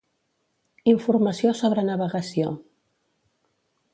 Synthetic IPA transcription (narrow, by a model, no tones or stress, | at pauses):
iɱfuɾməsiosoβɾənəβəɣəsio